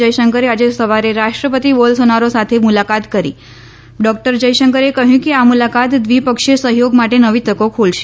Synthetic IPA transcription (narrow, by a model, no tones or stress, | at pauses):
əjʃəŋkəɾead͡ʒesəʋaɾeɾaʃʈɾəpət̪iʋolsonaɾosat̪ʰemulakat̪kəɾḭ | ɖɔk̚ʈəɾd͡ʒəjʃəŋkəɾekəɦjũkeamulakat̪ʋipəkʃesəɦjoɡmaʈenəʋit̪əkokʰulʃe̥